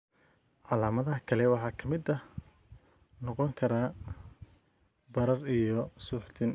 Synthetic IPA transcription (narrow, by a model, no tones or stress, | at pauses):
ʕɑlaːmɐðɐɦɐkʰɐlɛwɑħɑːkʰɐmɪd̪ɐ | nɔqɔŋkʰɐɾaː | bɐɾɐrijɔsuːħt̪ʰɪn